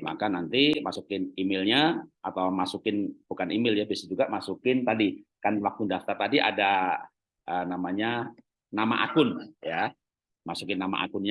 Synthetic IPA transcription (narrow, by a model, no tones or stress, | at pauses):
ma̰kanant̪imasukɪnimɪlɲaʔat̪awmasukɪnbukanimɪljabiasad͡ʒuɡaʔmasukɪnt̪adikanlakʊndaft̪art̪adiʔa̰da | ənamaɲa | nama̰ʔakʊnja | masukɪnːama̰ʔa̰kʊnɲa